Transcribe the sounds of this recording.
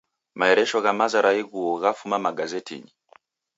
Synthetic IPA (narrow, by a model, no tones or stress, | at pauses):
maɛɾɛʃɔɣamazaɾaiɣuɔɣafumamaɡazɛtḭɲi